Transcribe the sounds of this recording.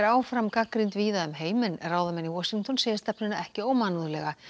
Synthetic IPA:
ɛɾaːwfɾamkakɾint̪viːðaʏmɦeːjmɪnɛ̰raːwðamɛniwɔsiŋt̪ɔnseːjɪ̥st̪ɛpnʏnaɛhcɪoːwmanuðʏlɛɣa

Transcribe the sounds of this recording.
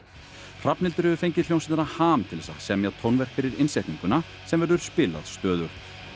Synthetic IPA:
r̥apnɪlt̪ʏɾhɛvʏfejɲcɪljownsɪnɾnahaːmt̪ʰɪlðɛsa̰sɛːɣamjat̪ʰownvɛɾ̥fɪɾɪɾɪnsɛht̪nĩŋkʏna | sɛmvɛɾðʏɾ̥spɪːla̰ðst̪œːðʏɾ̥

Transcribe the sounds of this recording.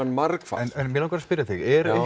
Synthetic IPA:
anmaɾkfa̰ɛnɛnmjɛlawkaɾaspɪɾjaθɪɣɛɾ

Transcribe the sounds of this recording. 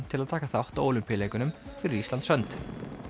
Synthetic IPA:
t̪ʰɪlaðt̪ʰaːkaθawht̪aoːwlʏmpjaleːjkʏnʏmfɪɾɪɾist̪ant̪sœnt̪

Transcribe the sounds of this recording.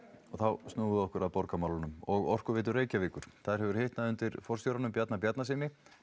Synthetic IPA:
ɔɣθawst̪nuːʏðɔhkʏɾaðpɔɾkamawlanʏmɔɣɔ̰r̥kʏvɪːt̪̬ʏreːjcaviːkʏɾ̥θaðɾ̥hɛvʏɾ̥heht̪naðʏnt̪ɪɾfɔr̥sjowɾanʏmpjat̪napjat̪nas̬ɪːnɪ

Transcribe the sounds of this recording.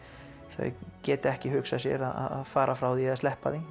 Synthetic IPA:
θœ̰cɛːt̪ɪɛhcɪɦʏksasjɛ̰ɾaða̰ða̰ðfaːɾʔafɾawðiaðst̪ɛhpaði

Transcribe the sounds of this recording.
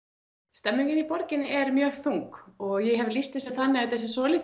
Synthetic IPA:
st̪ɛmːiŋcɪnipɔɾcɪnɪʔɛɾmjœːɣθuŋkɔɣjɛɦɛvlist̪ɪsaθanːɪat̪θɛs̬ːɪsɔlɪ

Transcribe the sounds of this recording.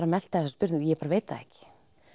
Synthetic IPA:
ɾamɛl̥t̪aɛsaspʏɾt̪njɛɛpaːɾaveːjt̪aɛ̰hcɪ̥

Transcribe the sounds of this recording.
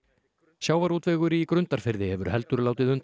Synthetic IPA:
ɕjaːwvaɾuːt̪vɛːɣʏɾɪikɾʏnt̪aɾ̥fɪɾðɪhɛvʏɾ̥hɛlt̪ʏɾlaːwt̪ɪðʏnt̪

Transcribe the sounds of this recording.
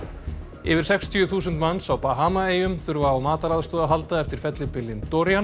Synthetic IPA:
ɪvɪɾ̥sɛkst̪ʰiʏθuːsʏnt̪manːsawpaɦaːmaeːjʏmθʏɾvaːwmaːt̪aɾaðst̪ɔːðaɦalt̪aɛft̪ɪɾ̥fɛt̪lɪpɪlːɪnt̪ɔɾjan

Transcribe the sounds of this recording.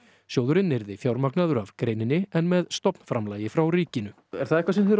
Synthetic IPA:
sjoːwðʏɾɪnːɪɾðɪfjawɾmaknaðʏɾavkɾejnɪnːɪɛnmɛðst̪ɔpn̥fɾamlaːjɪfɾawriːcɪnʏ | ɛ̰ɾ̥θaðɛhkvas̬ɛmθɾ

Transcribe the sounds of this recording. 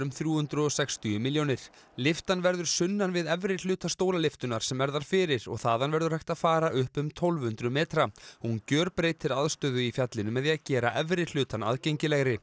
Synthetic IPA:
ʏmθɾjuːhʏnt̪ɾʏɔsɛkst̪ʏʏmiljownɪɾ̥ | lɪft̪anvɛɾðʏɾ̥sʏnːanvɪðɛvɾɪl̥ʏːt̪ast̪owlalɪft̪ʏnaɾ̥sɛmvɛɾðaɾ̥fɪːɾɪɾɔ̰ɣθaːðanvɛɾðʏɾ̥hajxt̪afaːɾaʔʏhpʏmt̪ʰɔlvhʏnt̪ɾʏmeːt̪ɾaɔhuncœːɾpɾejt̪ʰːɪlaðst̪œðʏifjat̪lɪnʏmɛðiacɛːɾaʔɛvɾɪl̥ʏːt̪ana̰ðcejɲcɪlɛɣɾɪ

